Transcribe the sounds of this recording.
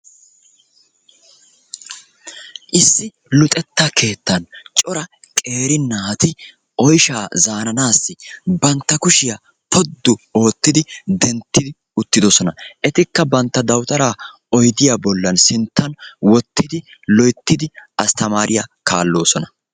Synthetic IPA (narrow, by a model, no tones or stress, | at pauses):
ʔɪsːɪ | lʊt̪ʼɛt̪ːakʰe̞ːt̪ːɐnt͡ʃʼɔɾɐ | kʼe̞ːɾɪnːaːt̪ɪ | ʔɔjʃaːzaːnɐnaːsːɪbɐnt̪ːɐkʊʃɪja | pʰɔd̪ːʊo̞ːt̪ːɪd̪ɪd̪ɛnt̪ːɪd̪ɪ | ʊt̪ːɪd̪ɔsɔnɐʔɛt̪ɪkːɐbɐnt̪ːɐd̪ɐwt̪ɐɾaː | ɔjd̪ɪjaːbɔlːɐnsɪnt̪ːɐnwɔt̪ːɪd̪ɪ | lɔjt̪ːɪd̪ɪʔɐst̪ɐmaːɾʔɪjakaːlːo̞ːsɔnɐ